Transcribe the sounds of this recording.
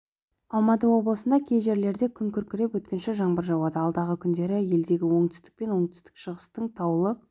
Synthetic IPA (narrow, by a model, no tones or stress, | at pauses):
ɑlˠmɑt̪əwo̞blˠəsənd̪ɑkʲʰejʒe̞ɾle̞ɾd̪e̞kʲʰʏŋkʲʰʏɾkʲɪɾepwɵt̪̚kʲɪnʃɪʒɑɴbəɾʒɑwɑd̪əɑlˠd̪ɑʁəkʲʰʏnd̪e̞ɾɪje̞ld̪e̞ɡʲɪwo̞ɴt̪ʰʏ̥st̪ɪ̥k̚pe̞nwo̞ɴt̪ʰʏ̥st̪ɪ̥kʃəʁəst̪əɴt̪ʰɑwlˠə